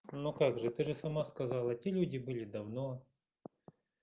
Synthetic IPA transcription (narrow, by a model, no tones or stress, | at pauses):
nokaɡʐɨt̪ɨʐɨsɐmaskɐzɑlˠɐtʲelʲudʲɪbɨlʲɪd̪ɐvno